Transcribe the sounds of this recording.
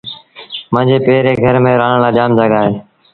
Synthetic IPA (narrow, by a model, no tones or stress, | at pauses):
mə̃ːɲd͡ʒeːpeːɾeːɡʱəɾmẽːɾaːɳlaːd͡ʒaːmd͡ʒəɠaːɦeː